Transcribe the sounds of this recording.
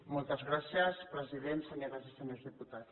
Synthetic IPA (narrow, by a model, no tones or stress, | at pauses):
mɔlˠt̪əzɣɾasjəspɾəziðent̪səɲoɾazisəɲozðiput̪at̪